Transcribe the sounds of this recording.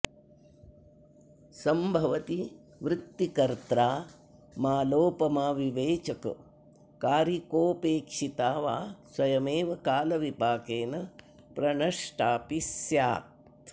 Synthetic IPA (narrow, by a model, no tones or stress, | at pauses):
sɐmbʱɐʋɐt̪i | ʋɾɪt̪ːikɐɾt̪ɾaː | maːloːpɐmaːʋiʋeːt͡ʃɐkɐ̰ | kaːɾikoːpeːkʂit̪aːʋaːswɐjɐmeːʋɐkaːlɐʋipaːkeːnɐ | pɾɐɳɐʂʈaːpisjaːt̪